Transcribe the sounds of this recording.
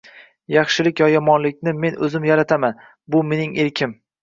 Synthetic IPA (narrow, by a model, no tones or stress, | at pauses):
jɑχʃɪlɪkʲjɒjɒmɒnlɪk̚ʲnɪme̞nʔɵzɪmjaɾat̪ʰaman | bʊme̞nɪŋʔeɾkʲʰɪm